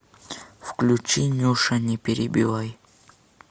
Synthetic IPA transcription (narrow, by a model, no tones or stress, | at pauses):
fklʲut͡ɕinʲuʂɐnʲɪpʲɪɾʲɪbʲɪvaj